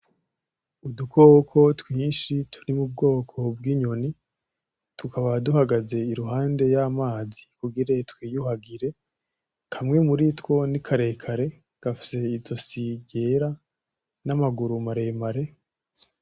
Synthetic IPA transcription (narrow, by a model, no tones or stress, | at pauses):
udukokʰo̞twiːnʃitʰu̥ɾimub̚ɡo̞ːkʰo̞b̚ɡiːɲo̞ni | tukaβaduhaɡaze̞iɾuɦaːnde̞jamaːzikuɡiɾe̞twiːjuhaɡiɾe̞ | kʰamŋe̞muɾitwo̞nikʰaɾe̞kʰaɾe̞ | ɡ̥afi̥se̞izo̞siɟe̞ɾa | namaɡuɾumaɾe̞ːmaɾe̞